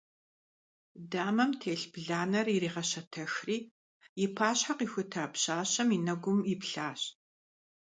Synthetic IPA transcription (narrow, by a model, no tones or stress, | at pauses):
daːmɐmtʰeːɬbɮaːnɐririːʁɐɕɐtʰɐxriː | jɪpʰaːɕħaqiːxʷʊtʰaːpɕaːɕɐminɐɡʷʊmipɬaːɕ